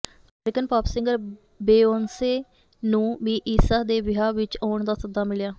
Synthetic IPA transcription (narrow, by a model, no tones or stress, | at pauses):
əmɾɪkənpaːpsɪ̃ŋɡəɾ | beːoːnseː | nũːʋiːʔiːsaːd̪eːʋɪɦaːʋɪt͡ʃɔːɳd̪aːsəd̪aːmɪljaː